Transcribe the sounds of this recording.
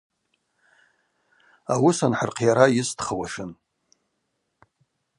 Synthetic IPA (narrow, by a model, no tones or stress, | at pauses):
awʊsanħərqʰjaɾajɪstʰχawaʂɨn